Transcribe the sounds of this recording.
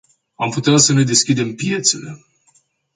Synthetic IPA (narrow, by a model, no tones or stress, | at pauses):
amput̪easəne̞d̪e̞skʲid̪e̞mpije̞t̪se̞le̞